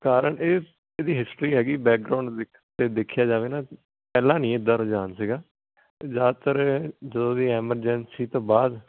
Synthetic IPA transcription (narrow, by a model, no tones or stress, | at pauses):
kaːɾəɳeː | eːd̪iːɦɪsʈɾiːɦɛːɡiːbɛːk̚ɡɾaːɳɖd̪ɪkʰt̪eːd̪ɪkʰːjaːd͡ʒaːʋeːnaː | pɛːlãːnĩːɪd̪ːaːɾoːd͡ʒaːnsiɡaː | d͡ʒaːt̪əɾd͡ʒəd̪õːd̪iːɛːməɾd͡ʒɛnsiːt̪õːbaːd̪